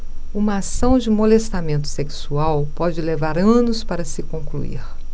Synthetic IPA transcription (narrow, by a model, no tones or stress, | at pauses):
ũmɐasɐ̃w̃d͡ʒɪmolest̪amẽnt̪ʊ̥seksuawpɔd͡ʒɪlevaɾɐ̃nʊspaɾɐsɪkõŋklṵḭɾ